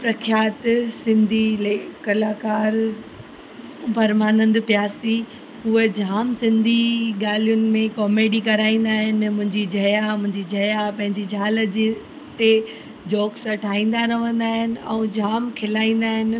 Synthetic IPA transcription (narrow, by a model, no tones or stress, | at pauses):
pɾɐkʰjaːt̪sɪ̃nd̪ʱilekɐlaːkaːɾ | bʱɐɾmaːnə̃nd̪pjaːsi | ɦuɦed͡ʑʱaːmsɪ̃nd̪ʱiɠaːlijʊnɪ̆mẽkɔːmeːɖikɐɾaːĩːn̆d̪aːɦɪn̆mʊ̃ɦɪ̃ɲd͡ʑid͡ʑʱɐjamʊ̃ɦɪ̃ɲd͡ʑid͡ʑʱɐjapɐ̃ɦɪ̃ɲd͡ʑid͡ʑʱaːləd͡ʑ | t̪e | d͡ʑɔːksɐʈʰaːĩːn̆d̪aɾɐʋə̃nd̪aːɦɪnɪ̆ɛ̰̃uːd͡ʑʱaːmkʰɪlaːĩːn̆d̪aːɦɪnɪ̆